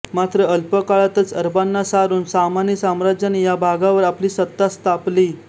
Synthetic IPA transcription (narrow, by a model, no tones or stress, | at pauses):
mat̪ɾəəlpəkaɭat̪ət͡səɾbanːasaɾuːnsamanjisamɾad͡ʑjanijabʱaɡaʋəɾapliːsət̪ːast̪apli